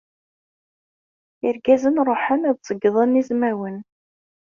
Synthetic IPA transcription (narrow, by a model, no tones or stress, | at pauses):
əɾɡæzənɾˤoħənæðˤsˤəɡːðˤənːizmæwən